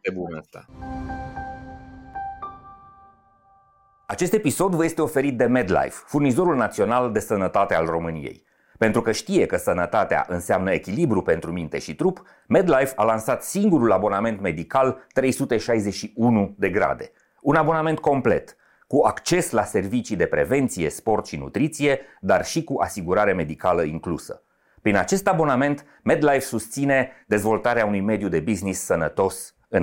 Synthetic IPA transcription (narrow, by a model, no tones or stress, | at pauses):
ebunəst̪a̰ | at͡ʃe̞st̪e̞piso̞d̪vəje̞st̪e̞ofe̞ɾit̪̚d̪e̞med̪la̰jffurnizo̞ɾulnat̪sio̞nald̪e̞sənət̪at̪ea̰lro̞mɨnḭjḛj | pe̞nt̪ɾukəʃt̪ije̞kəsənət̪at̪ea̰ʔɨnseamnəe̞kʲilibɾupe̞nt̪ɾumint̪e̞̰ʃit̪ɾup | me̞d̪lajvalansat̪siŋɡuɾulabo̞name̞nt̪me̞d̪ikalt̪ɾe̞jsut̪e̞ʃajze̞ʃiunud̪e̞ɡɾa̰d̪e̞ | unabo̞name̞nt̪̚ko̞mple̞̰t̪ | kuakt͡ʃe̞slase̞rvit͡ʃid̪e̞pɾe̞̰ve̞nt̪sije̞spo̞rt̪ʃinṵt̪ɾit̪sije̞d̪arʃikuʔasiɡuɾaɾe̞me̞d̪ikaləiŋklusə̰ | pɾinat͡ʃe̞st̪abo̞name̞nt̪ | me̞d̪lajvsust̪sine̞d̪e̞zvo̞lt̪aɾeaunujme̞d̪jud̪e̞biznisːənət̪o̞s | ɨn